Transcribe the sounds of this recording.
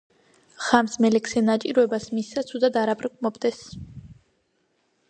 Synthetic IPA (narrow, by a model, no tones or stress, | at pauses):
ʁ̥amsmɛlɛksɛnat͡ʃʼiɾɔɛbasmisːat̪sʰud̪ad̪aɾapʰʼɾkʼmɔbd̪ɛs